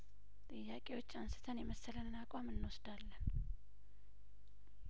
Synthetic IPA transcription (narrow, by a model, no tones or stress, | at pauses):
t̪ʼɨjːakʼe̞wo̞t͡ʃːansɨ̥t̪ʰənjɛməsələnːakʼamɨnːwosd̪alːən